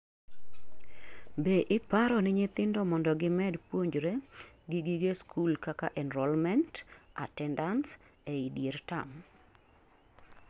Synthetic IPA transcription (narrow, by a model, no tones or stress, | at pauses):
beʔɪpaɾɔnɪɲɪt̪ɪndɔmɔndɔɡɪmɛdpwoɲd͡ʒɾeɡɪɡɪɡeskʰulkakaʔɛnɾɔlmɛnta̰tɛndanseidjeɾta̰m